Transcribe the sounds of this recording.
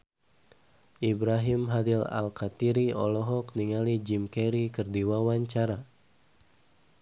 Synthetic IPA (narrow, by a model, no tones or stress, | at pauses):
ʔibɾaɦimɦadila̰lkat̪iɾiɔ̰lɔɦɔkniŋalid͡ʒimkɛɾikərdiwawaɲt͡ʃaɾa